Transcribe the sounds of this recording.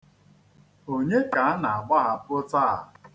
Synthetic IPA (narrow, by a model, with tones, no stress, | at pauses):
o˦ɲe˦ka˨a˦na˨a˨ɡ͡ba˦ɦa˨pʊ˦ta̰˦˨